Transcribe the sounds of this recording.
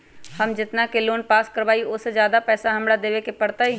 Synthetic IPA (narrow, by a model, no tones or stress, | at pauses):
hɐmd͡ʒɪt̪nakeloːnpaːskɐɾbaːiʔosed͡ʒjaːd̪apɛːsaɦɐmɽad̪eːʋekepɐɽt̪aɦɛ